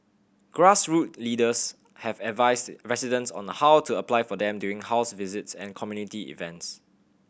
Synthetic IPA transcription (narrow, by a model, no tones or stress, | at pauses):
ɡ̥ɹasɹut̚lidəs | hɛvɛtvaɪsdɹɛsidə̃nsɔ̰̃nəhawtʰuəplaɪfɔdɛ̃mdjuɪ̃ŋhaʊsvɪzɪtsɛ̰̃nkʰɔmjunitiḭvɛ̃nts